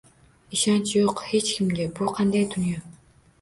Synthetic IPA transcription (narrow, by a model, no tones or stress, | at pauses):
iʃɑnt͡ʃjoqhet͡ʃkʰimd̪ebuqʰɑnd̪ɑjt̪ynjo